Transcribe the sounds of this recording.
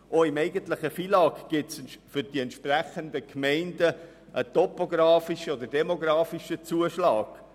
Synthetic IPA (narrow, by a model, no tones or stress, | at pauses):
ʔoɪmɛɪɡəntlɪχəfiːlɑːkɡ̥ɪtsfʏɾd̥iɛntʃpræχənd̪əkmɛɪndə | ʔətɔpoɡɾɑːfiʃəod̪əɾdɛmoɡɾɑːfiʃət͡suəʃlɑːɡ̥